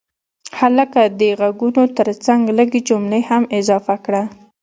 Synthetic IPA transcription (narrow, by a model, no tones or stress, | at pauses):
haləkad̪əɣaɡunot̪əɾt͡saŋɡləɡed͡ʒomlehamɪzɑfakɽa